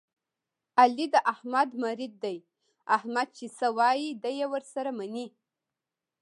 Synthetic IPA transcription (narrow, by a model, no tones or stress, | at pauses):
alid̪əʔahmad̪maɾɪd̪̚ːaj | ahmad̪̚t͡ʃesəwɑjid̪əjewəɾsaɾamani